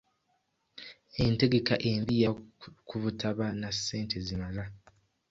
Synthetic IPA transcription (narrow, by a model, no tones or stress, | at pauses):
e̞nte̞ɡe̞kaʔe̞ːmbijakʰuβutʰaβanasːe̞ːntʰe̞zimala